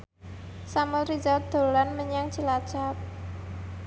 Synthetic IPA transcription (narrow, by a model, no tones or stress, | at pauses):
samɛlrid͡ʒad̪̥o̤lanməɲaŋ̥t͡ʃilḁt͡ʃap̚